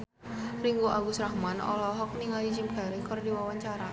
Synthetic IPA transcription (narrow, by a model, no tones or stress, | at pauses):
riŋɡuʔaɡusɾahmanɔ̰lɔɦɔk̚niŋalid͡ʒimkɛliŋkɨrdiwawaɲt͡ʃaɾa